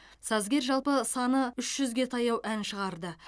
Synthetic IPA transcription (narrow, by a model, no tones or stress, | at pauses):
sɑzɡʲe̞ɾʒɑlˠpəsɑnəʏʃʒ̥ʏzɡʲe̞t̪ʰɑjɑwʔænʃəʁɑɾd̪ə